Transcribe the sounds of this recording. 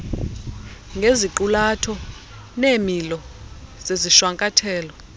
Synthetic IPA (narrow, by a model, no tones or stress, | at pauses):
ŋɡʱeziǃulatʰɔ | nemilɔz̥eziʃwaŋkʼatʰɛːlɔ